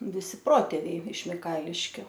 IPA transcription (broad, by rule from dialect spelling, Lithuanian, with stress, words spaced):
ʋʲɪˈsʲɪ ˈproːtʲeːʋʲɛɪ ɪʃ mʲɪˈkɐɪlʲɪʃʲkʲʊ